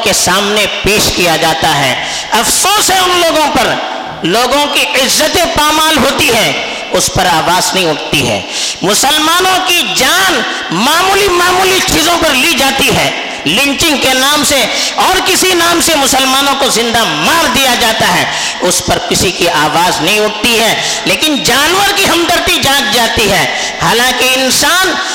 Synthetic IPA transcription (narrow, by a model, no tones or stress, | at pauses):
kesaːmnepeːʃkijad͡ʒaːt̪aɦɛː | ɐfsoːsɦɛʊnloːɡõpɐɾ | loːɡõkiʔɪzːət̪ẽpaːmaːlɦoːt̪iɦɛː | ʊspɐɾaːʋaːznɐɦĩʊʈt̪iɦɛ̰ː | mʊsəlmaːnõkid͡ʒaːn | maːmuːlimaːmuːlit͡ʃiːzõpɐɾlid͡ʒaːt̪iɦɛː | lɪ̃ɲt͡ʃɪ̃ŋɡkenaːmseɔːɾkɪsinaːmsemʊsəlmaːnõkozɪ̃nd̪amaːɾd̪ijad͡ʒaːt̪aɦɛː | ʊspɐɾkɪsikiʔaːʋaːznɐɦĩʊʈt̪iɦɛː | leːkɪnd͡ʒaːnwəɾkiɦɐmd̪əɾt̪id͡ʒãːt͡ʃd͡ʒaːt̪iɦɛː | haːlãːkeɪnsaːn